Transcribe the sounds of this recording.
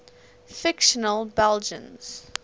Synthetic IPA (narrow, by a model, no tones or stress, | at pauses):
fɪkʃənəlˠbɛld͡ʒə̰̃nz̥